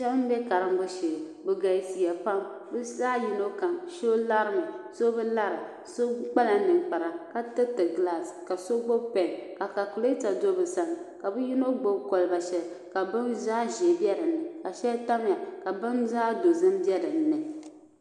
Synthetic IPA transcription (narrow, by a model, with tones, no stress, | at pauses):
ʃɛ˦bn̩˦bɛ˦ka˨ɾɨ˦m˦bɨ˦ʃe˨ | bɨ˨ɡa˨si˨ja˨pa˦m | bɨ˦saː˦ji˦no˦ka˨ŋʃo˦la˦ɾɨ˦mɨ˨so˦bɨ˦la˦ɾɨ˨ | so˦k͡pa˦la˨nɨ˨ŋk͡pa˨ɾa˨ka˦tɨ˦tɨ˨ɡla˦˨ska˨so˦ɡ͡bo˦pɛ˨ŋka˨ka˨ku˨le˦ta˨do˦bɨ˨sa˨ŋ˨ka˨bɨ˦ji˦no˦ɡ͡bo˦ko˨lɨ˨ba˨ʃɛ˨l | ka˨bɨ˦nzaː˦ʒi˨bjɛ˦dɨ˨nnːɨ˨ka˨ʃɛ˦lta˦m˦ja˨ka˨bɨ˦nzaː˦do˨zɨ˦m˦bjɛ˦dɨ˨n̩ː˦ɨ˨